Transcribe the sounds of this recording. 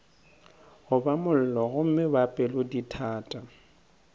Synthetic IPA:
ɣʊbamʊl̩lɔɣʊm̩mɪbapʼɛlʊditʰaːtʼa

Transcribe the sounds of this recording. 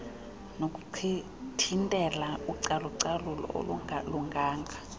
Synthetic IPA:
nokʼu̥ǀʰi | tʰintʼɛlauǀalɔǀalulɔ̰luŋɡʱaːŋɡʱa

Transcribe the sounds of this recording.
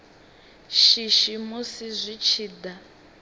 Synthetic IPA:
ʃiʃimosizʷit͡ʃʰiːda

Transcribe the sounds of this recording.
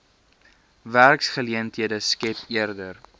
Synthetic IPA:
værksχəliəntɦiədəskɛpiərdər

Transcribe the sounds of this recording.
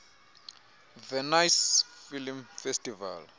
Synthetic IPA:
vɛnajsfilmfestʼiva̰l

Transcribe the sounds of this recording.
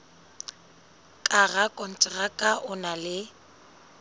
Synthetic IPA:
kʼaɣakʼɔn̩t͡ʃʼɪrakʼaʔʊnalɪ

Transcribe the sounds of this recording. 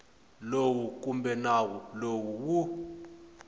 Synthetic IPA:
lowuk̬umbɛnawulowuwu

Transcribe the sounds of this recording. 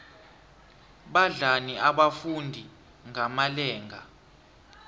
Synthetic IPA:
ɓaɮaniaɓafundʱi | ŋʱamalɛːŋɡa

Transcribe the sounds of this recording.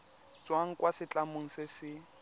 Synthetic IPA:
d͡zwaŋ̩kʼwasɪt͡ɬʼamʊŋ̩sɪsɪ

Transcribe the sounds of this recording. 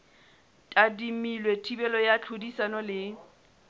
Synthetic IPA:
tʼadimilwetʰibɛlɔjat͡ɬʰʊdisanɔlɪ

